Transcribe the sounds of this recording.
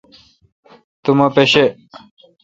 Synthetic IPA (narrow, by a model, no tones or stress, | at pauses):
t̪umɐpeɕe